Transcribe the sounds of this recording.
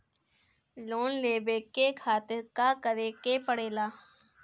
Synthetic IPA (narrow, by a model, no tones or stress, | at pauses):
loːnleːbeːkekʰaːt̪ɪɾkakəɾeːkepəɽeːlaː